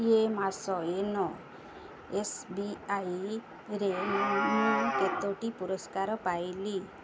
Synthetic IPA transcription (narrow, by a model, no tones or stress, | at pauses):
emasɔenɔ | esbiaj | ɾenɔket̪oʈipuɾɔskaɾɔpajli